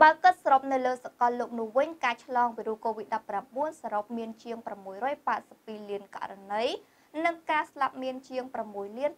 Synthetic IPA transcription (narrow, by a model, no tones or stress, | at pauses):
ɓaəkɨt̪̚srop̚nɨwləːsakɑlːoːk̚nʊ̆əhʋɨɲkaːt͡ɕʰlɑːŋʋiɾukoːʋit̪̚ɗɑpːramɓuənsaːɾop̚miənt͡ɕiəŋpramːuəjrɔːjpaːt̪̚sə̥pːiːliənka̰ʔɾanɨj | nɨŋkaːslap̚miənt͡ɕiəŋpramːuəjliən